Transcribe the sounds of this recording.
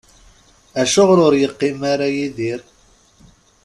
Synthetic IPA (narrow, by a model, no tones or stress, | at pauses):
æʃʊʁɾʊɾjəqːimaɾajiðiɾ